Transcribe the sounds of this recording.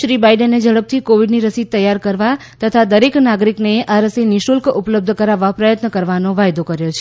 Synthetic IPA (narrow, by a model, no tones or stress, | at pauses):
ʃɾibajɖenːed͡ʒəɭəb̚t̪ʰikoʋiɖniɾəsit̪əjːaɾkəɾʋa | t̪ət̪ʰad̪əɾeknaɡɾikneʔaɾəsinɪʃulkupləb̚d̪ʱəkəɾaʋːapɾəjət̪nəkəɾʋanoʋajd̪okəɾjot͡ʃʰe